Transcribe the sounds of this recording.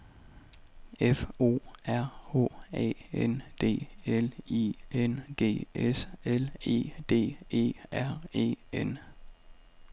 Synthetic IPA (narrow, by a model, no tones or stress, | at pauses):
efo̝̰ːæɐ̰o̝̰ːɛ̰ːend̥e̝̰ːeliend̥e̝̰ːesele̝̰ːd̥e̝̰ːe̝̰ːæɐ̰e̝̰ːen